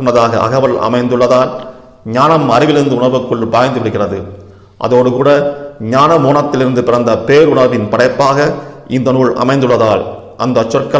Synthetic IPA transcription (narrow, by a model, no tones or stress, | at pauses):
ɳnːɐðaːɣɐ̰ʔɐ̰ɣɐʋɐlɐ̰mɐɪnd̪ɯɭːɐðaːn | ɲaːnɐmɐɾɪʋɪlɪɾɯnd̪ɯʊɳɐɾʋɯkːɯɭbaːjɐnd̪ɯʋɪɽɯɣɪrɐðɯ | ʔɐ̰ðoːɽɯkuːɽɐɲaːnɐmoːɳɐt̪ːɪlɪɾɯnd̪ɯpɪrɐnd̪ɐpeːɾʊɳɐɾʋɪnpɐɽɐɪpːaːɣɐ | ɪnd̪ɐnuːɭɐ̰mɐɪnd̪ɯɭːɐðaːl | ʔɐnd̪ɐt͡ʃːɔrkːɐ